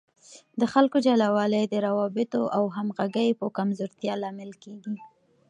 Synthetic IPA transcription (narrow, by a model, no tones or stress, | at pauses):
d̪əxalkod͡ʒalawɑləjd̪əɾawɑbɪt̪oʔawɦamɣaɡəjpəkamzoɾt̪jɑlɑmɪlkeɡi